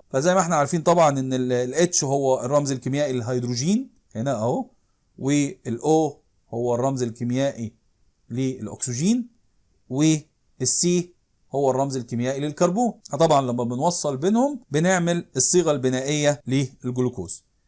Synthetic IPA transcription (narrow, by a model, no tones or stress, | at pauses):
fæzæjːmæeħnæʕaɾˤfiːnt̪ˤɑbʕɑnʔenːellʔet̪ʃɦowːærˤːɑmzelkemjæːʔilelɦɑjd̪ɾuʒiːn | khenæʔæo | weːlʔoː | howːærˤːɑmzelkemjæːʔi | leelʔo̰ksiʒiːn | weː | sːiː | howːærˤːɑmzelkemjæːʔilelkɑɾˤbuːnt̪ˤɑbʕɑnlæmːæbenwɑsˤːɑlbenhʊmbɪneʕmelesˤːiːɣɑlbɪnæːʔejːæleelɡoloko̰ːs